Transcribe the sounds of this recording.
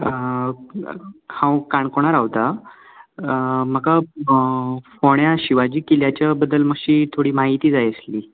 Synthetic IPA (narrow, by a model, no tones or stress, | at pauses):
kãwkaɳkoɽ̃aɾaʋt̪a | m̤əka | foɳjaɕiʋad͡ʑiːkiljat͡ɕjabəd̪ːəlm̤əkɕiːt̪ʰoɽiːmaɦit̪iːd͡zajəsliː